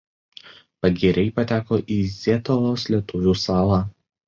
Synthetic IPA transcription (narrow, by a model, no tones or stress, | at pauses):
pɐɡʲɛɾʲɛɪpɐt̪ʲæːkoːʔiːzʲɛt̪oʋoːslʲiɛt̪ʊʋʲuːsɑːlˠɑː